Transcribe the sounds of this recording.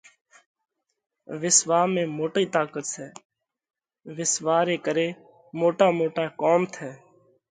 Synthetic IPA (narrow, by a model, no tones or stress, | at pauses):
ʋɪsʋaːmẽːmoːʈiːt̪aːkət̪sɛː | ʋɪsʋaːɾeːkəɾeː | moːʈaːmoːʈaːkoːmt̪ʰɛː